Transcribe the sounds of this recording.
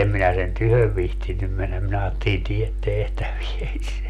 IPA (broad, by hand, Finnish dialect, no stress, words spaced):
em minæ sen tyhøʋ ʋihtinːym menːæm minæ ɑːtːelin tiet tehtæʋies